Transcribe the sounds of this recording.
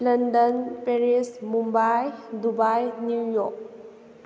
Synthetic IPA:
lɐndɔnpeɾismumbajdubajnujɔk̚

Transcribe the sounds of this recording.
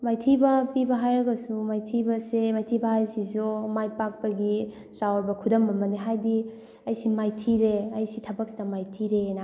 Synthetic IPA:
majtʰibɐpibɐɦajɾɐɡɐsumajtʰibɐsemajtʰibɐɦajsizomajpak̚pɐɡi | sawɾbɐkʰudɐmbɐmɐniɦajdi | ɐjsimajtʰiɾeɐjsitʰɐbɐk̚sidɐmajtʰiɾena

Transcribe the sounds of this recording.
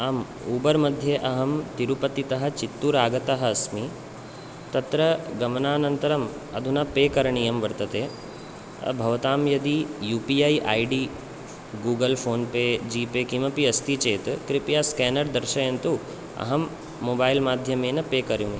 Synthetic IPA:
aːm | uːbɐɾmɐd̪ʱjeʔɐɦɐmt̪iɾupɐt̪it̪ɐɦɐ̆t͡ʃit̪ːuɾaːɡɐt̪ɐɦɐːsmi | t̪ɐt̪ɾɐɡɐmɐnaːnɐnt̪ɐɾɐm | ɐd̪ʱunɐpeːkɐɾɐɳijɐmʋɐɾt̪ɐt̪eː | ɐ̰bʱɐʋɐt̪aːmjɐd̪ijuːpiajʔaːjɖiː | ɡuːɡɐlpʰoːnpeːd͡ʒiːpeːkimɐpiɐst̪it͡ʃeːt̪kɾipjaːskɛːnɐɾd̪ɐɾʃɐjɐnt̪u | ɐ̰ɦɐmː | oːbaːjlmaːd̪ʱjɐmeːnɐpeːkɐɾjune

